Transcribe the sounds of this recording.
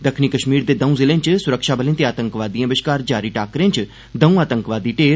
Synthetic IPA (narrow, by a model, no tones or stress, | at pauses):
d̪ɐkʰnikɐʃmiːɾd̪ed̪ɐ̃ũzɪlẽːɲt͡ʃsʊɾəkʃabʱəlẽnt̪iaːt̪ə̃ŋkʋaːd̪ijɐ̃ʋɪʃkaːɾd͡ʒaːɾiʈaːkɾẽːɲt͡ʃ | d̪ɐ̃ũaːt̪əŋkʋaːd̪iʈeː